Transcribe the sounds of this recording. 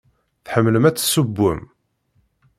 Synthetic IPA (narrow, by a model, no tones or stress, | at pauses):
θħəmːləmæt͡sːsəbːə̰m